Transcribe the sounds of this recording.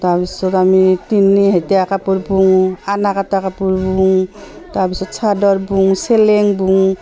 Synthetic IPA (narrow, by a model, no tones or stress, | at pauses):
taɾbisɔtamitinːiɦajteakapuɾbuŋanakatakapuɾbuŋtaɾbisɔtsʰadɔɾbuŋseleŋbuŋ